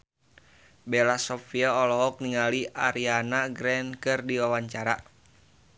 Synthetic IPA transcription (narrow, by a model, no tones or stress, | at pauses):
bɛlasɔfiaɔlɔɦɔk̚niŋaliʔaɾianaɡɾɛnkɨrdiwawaɲt͡ʃaɾa